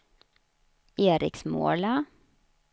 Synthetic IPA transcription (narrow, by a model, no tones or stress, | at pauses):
eːɾɪ̰ksmo̰ːɭɑ